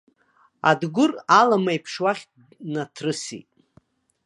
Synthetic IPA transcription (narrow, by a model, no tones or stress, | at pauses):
a̰dɡʷʊralamajpʰʂwaχʲ | natʰrɨsḭtʼ